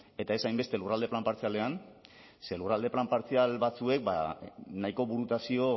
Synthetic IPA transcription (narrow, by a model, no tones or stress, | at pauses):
e̞t̪ae̞sajmbe̞st̪e̞lurald̪e̞plampaɾt͡siale̞an | se̞lurald̪e̞plampaɾt͡sialβat͡sue̞k̚ba̰naiko̞βuɾut̪asio̞